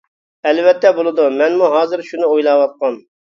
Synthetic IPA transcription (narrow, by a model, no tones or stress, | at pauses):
ɛlvɛt̪ːɛbolˠɨd̪umɛnmuɦɑːzɨɾʃunɨojlˠɑːwɑt̪̚qɑn